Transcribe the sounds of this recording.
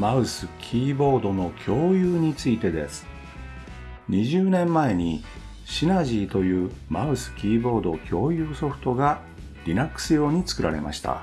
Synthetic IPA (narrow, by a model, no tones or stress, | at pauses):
maɯ̟sɨkʲʰiːbo̞ːd̪o̞no̞kʲʰo̞ːjɯːɲ̟it͡sɨit̪e̞d̪e̞̰sɨ̥ | ɲ̟iʑɨːnẽ̞mːae̞ɲ̟i | ɕinaʑiːt̪o̞jɯ̟ːmaɯ̟sɨ̥kʲiːbo̞ːd̪o̞kʲʰo̞ːjɯ̟ːso̞ɸɯ̟̥t̪o̞ɡa | ɾʲinakːɯ̥sɨjo̞ːɲ̟it͡sɨ̥kɯ̟ɾa̰ɾe̞̰ma̰ɕi̥t̪a̰